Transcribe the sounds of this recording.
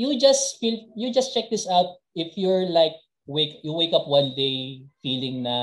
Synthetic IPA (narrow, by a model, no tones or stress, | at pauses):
jud͡ʒɐsfiljud͡ʒɐst͡ʃɛk̚d̪ɪsaʊt̪̚ | ʔɪfjɔɹlaɪk̚ | wekjuwejkɐp̚wɐ̃nd̪ejfiːlɪ̃ŋnɐ